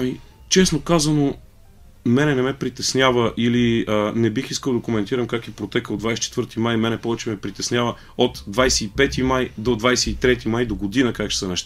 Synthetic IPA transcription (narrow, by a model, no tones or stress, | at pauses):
ɐmi | t͡ʃɛsnokazəno | mɛnɛnɛmɛpɾit̪ɛsnʲavəʔiliənɛbixiskəlˠd̪ɐkomɛnt̪iɾəmkakipɾot̪ɛkəod̪vajsɛ̥t͡ʃɛt̪vɤɾt̪imajmɛnɛpɔvɛt͡ʃɛmɛpɾit̪ɛsnʲjavə | ot̪d̪vajsɛːpɛt̪imajd̪od̪vajsɛit̪ɾɛt̪imajd̪oɡod̪inəkakt͡ʃɛ̥sənɛʃt̪a